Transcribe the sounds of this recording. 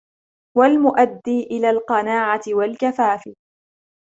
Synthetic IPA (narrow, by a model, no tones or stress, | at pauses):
walmʊʔad̪ːiːʔɪlaːlqɑnaːʕat̪ɪwalkafaːfɪ